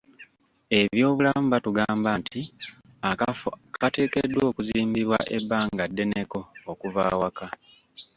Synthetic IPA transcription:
e̞βjo̞ːβulamuβatuɡaːmbantʰi | akate̞ːke̞dːwo̞ːkuziːmbiβwa̰ʔebːaːŋɡadːe̞ne̞ko̞ːkuvaːwaka

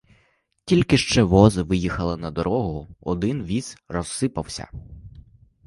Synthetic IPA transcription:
tʲilʲkɪʃt͡ʃɛʋɔzɪʋɪjixɐlˠɪnɐd̪ɔɾɔɦʊɔd̪ɪnʋʲiz̥rɔsːɪpɐwsʲɐ̰

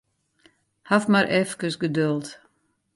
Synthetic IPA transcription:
hafmaɾʔɛfkəsɡədølˠt

